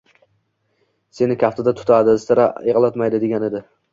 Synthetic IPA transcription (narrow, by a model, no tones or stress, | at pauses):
se̞nɪkʲʰaft̪od̪at̪ʰʊ̥t̪ʰad̪ɪst̪ʰɪɾa̰eʁlˠat̪majd̪ɪd̪e̞ɡʲaned̪ɪ